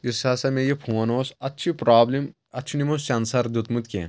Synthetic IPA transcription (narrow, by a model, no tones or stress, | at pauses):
isasɐmejepʰuːɐnoːsɐtːʃʰipɾaːblim | ɐt͡ʃʰinimost͡ʃɐnsɐɾd̪ut̪mut̪̚kʲḛ